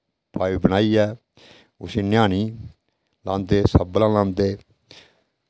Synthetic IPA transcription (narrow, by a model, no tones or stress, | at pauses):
pʰaːiːbəñaːiːɛː | ʊ̰sĩːnjaːniː | lãːnt̪eːsəbəlãːlãːnt̪eː